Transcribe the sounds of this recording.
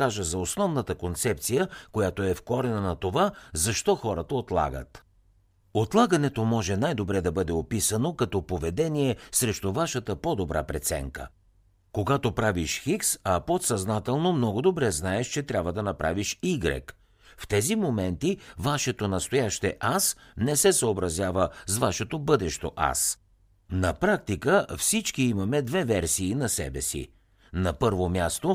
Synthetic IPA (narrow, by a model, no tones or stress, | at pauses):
aʒəzɐosnɔvnət̪əkont̪sɛp̚t̪sijəkojat̪oɛfkɔɾɛnənɐt̪ovazɐʃt̪ɔxɔɾət̪əot̪lˠa̰ɡə̰t̪ | ot̪lˠaɡɐnɛt̪omɔʒɛnajd̪obɾɛd̪ɐbɤd̪ɛopisənokɐt̪ɔpovɛd̪ɛniɛsɾɛʃt̪ʊvaʃət̪əpɔd̪obɾʔa̰pɾɛt̪sɛ̰ŋkə̰ | koɡat̪opɾaviʃxiksɐpot̪sɐznat̪ɛlˠnomnɔɡʊd̪obɾɛznaɛʃt͡ʃɛt̪ɾʲabvəd̪ɐnɐpɾa̰viʃiɡɾɛ̰k | ft̪ɛzimomɛnt̪ivaʃɛt̪onɐst̪ojaʃt̪ɛ̰ʔasnɛsɛsəobɾɐzʲjavəsvaʃɛt̪obɤd̪ɛʃt̪o̰ʔa̰s | nɐpɾak̚t̪ikəfsit͡ʃkiimɐmɛd̪vɛvɛɾsiːnɐsɛ̰bɛsḭ | nɐpɤɾvomʲjast̪o